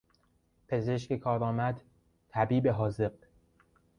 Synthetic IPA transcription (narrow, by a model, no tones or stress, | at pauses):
pʰe̞ze̞ʃcekʰɒːɾɒːmæd̪ | t̪ʰæbiːbeɦɒːze̞b